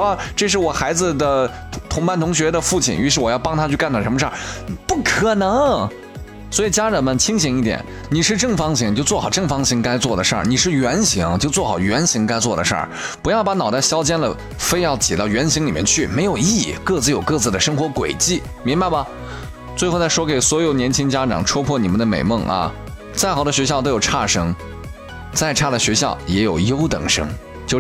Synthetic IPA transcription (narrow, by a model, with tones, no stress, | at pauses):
a˥˧ʈ͡ʂɤ˥˧ʂ̬ɻ̩˥˩wɔ˨˩xa˧˥ɪd͡zɹ̩˧d̪ə˨˩ | t̪ʰʊ˧˥ŋpa˥˩nt̪ʰʊ˧˥ŋɕ̬ɥɛ˧˥d̪ə˧fu˥˩t͡ɕʰḭ˥˩ny˧˥ʂ̬ɻ̩˥˩wɔ˨˩jɑ˥˩ʊpɑ˥ŋt̪ʰa˥t͡ɕʰy˥˧ka˥˧nt̪a˥˩ʂə˧˥mə˧ʂə̰˞˥˩pu˥˩kʰɤ˨˩nɤ˧˥ŋ | swɔ˧˥i˨˩t͡ɕja˥ɻə˧˥nmə˧nt͡ɕʰi˥ŋɕi˧˥ŋi˥˩t̪jɛ̰˨˩˦n | ni˨˩ʂɻ̩˥˧ʈ͡ʂɤ˥˩ŋfɑ˥ŋɕi˧˥˩ŋ˨jo˥˧ʊt͡swɔ˥˩xɑ˨˩ʊʈ͡ʂɤ˥˩ŋfɑ˥ŋɕi˧˥ŋka˥ɪt͡swɔ˥˩d̪ə˩ʂə̰˞˥˩ni˨˩ʂɻ̩˥˩ɥɛ˧˥nɕi˧˥ŋt͡ɕjo˥˧ʊt͡swɔ˥˩xɑ˨˩ʊɥɛ˧˥nɕi˧˥ŋka˥ɪt͡swɔ˥˩d̪ə˩ʂə̰˞˥˩pu˧˥jɑ˥˩pa˧˥nɑ˨˩ʊt̪a˥˩ɕjɑ˥ʊt͡ɕjɛ˥nlə̰˨ | fe˥ɪjɑ˥˩ʊt͡ɕjɛ˨˩t̪ɑ˥˩ʊɥɛ˧˥nɕi˧˥ŋli˨˩mɛ˥˧nt͡ɕʰy˥˩me˧˥ɪjo˨˩ʊi˥˩kɤ˥˧t͡sɹ̩˥˩jo˨˩ʊkɤ˥˧t͡sɹ̩˥˩d̪ə˩ʂɤ˥ŋxwɔ˧˥kwe˨˩ɪt͡ɕi˥˩ | mi˧˥ŋba˧ɪbɐ˩ | t͡swe˥˧ɪxʊt͡sa˥˩ɪʂwɔ˥ke˨˩ɪswɔ˧˥jo˨˩ʊnjɛ˧˥nt͡ɕʰi˥ŋt͡ɕja˥ʈ͡ʂɑ̰˨˩ŋʈ͡ʂʰwɔ˥pʰwɔ˥˩ni˨˩mə˦nd̪ə˧mḛ˨˩ɪmɤ˥˩ŋʔɐ̰˧ | t͡sa˥˩ɪxɑ˨˩ʊd̪ə˦ɕ̬ɥɛ˧˥ɕ̬jʊt̪o˥ʊjo˨˩ʊʈ͡ʂʰa˥˩ʂɤ˥ŋ | t͡sa˥˧ɪʈ͡ʂʰa˥˩d̪ə˩ɕɥɛ˧˥ɕjɑ˥˩ʊjɛ˧˥jo˨˩ʊjo˥ʊt̪ɤ̰˨˩ŋʂɤ˥ŋ | t͡ɕjo˥˧ʊ